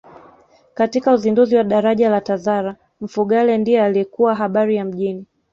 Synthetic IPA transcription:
katikauzinduziwaɗaɾaʄalatazaɾa | m̩fuɠalɛndijɔaliɛkuwaɦaɓaɾijam̩ʄini

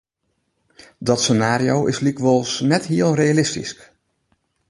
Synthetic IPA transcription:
dɑtsənaːɾiowɪslikʋɔlˠsnɛtɦiːlˠrejalɪstḭsk

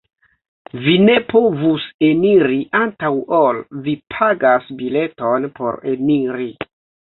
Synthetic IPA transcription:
vine̞po̞vuse̞niɾiʔantawolvipʰaɡasbile̞to̞npo̞̰ɾeniɾi

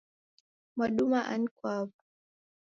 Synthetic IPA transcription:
maɗumaʔa̰nikwavu

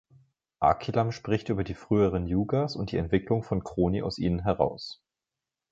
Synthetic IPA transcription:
ʔa̰kʰilamʃpʁ̥ɪçtʔyːbɐdiːfʁ̥yːəʁ̞ənjuːɡasʊnt̚d̥iːɛ̰ntv̥ɪklʊŋfɔnkʁ̥oːniʔa̰ʊsʔiːnənɦɛʁ̞a̰ʊs

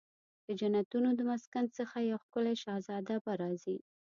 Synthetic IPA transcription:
d̪̥əd͡ʒanat̪unod̪əmaskansəxajawxkəlaʃɑzɑd̪abaɾɑzi

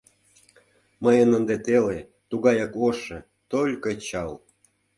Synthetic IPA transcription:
məjənənd̪et̪ele | t̪uɣɑjɑkoʃĕ | t̪olʲkə̆t͡ɕɑl

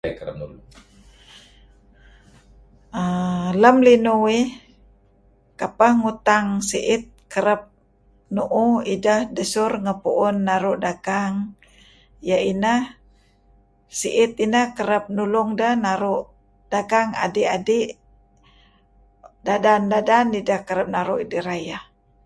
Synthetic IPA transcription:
kəɾə̰p̚nṵl | ələmlinuwi | kapahŋut̪aŋsiʔɪt̪̚kəɾəp̚ | nuʔuidəhdəsʊrŋəpuʔʊnːaɾʊʔdaɡaŋ | jainəh | siʔɪt̪̚inəhkəɾəp̚nulʊŋdəhnaɾʊʔ | d̥aɡaŋa̰diʔadiʔ | dadandadanidəhkəɾəp̚naɾuʔidiɾajah

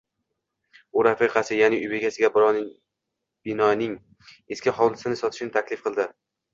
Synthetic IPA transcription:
uɾafiqʰɑsɪjanɪʔʊjbeɡʲasɪɡʲabɪɾɒ | b̥ɪnɒnɪŋ | eskʲɪɦɒwlˠɪsɪnɪsɒt̪ʰɪ̥ʃɪnɪt̪ʰakʲlɪfqʰɨlˠd̪ɪ

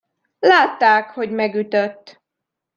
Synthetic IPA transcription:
laːt̪ːaːkho̞ɟmɛɡyt̪øt̪ː

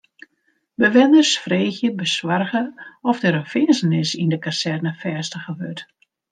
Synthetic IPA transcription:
bəʋɪnərsfreːxjəbəswarɣəɔfdəɾənfɪənsənɪsindəkasɛrnəfɛːstəχəʋøt

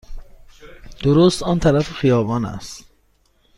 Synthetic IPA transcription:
d̪̥oɾost̪ɒːnt̪ʰæɾæfexijɒːbɒːnæ̰st̪

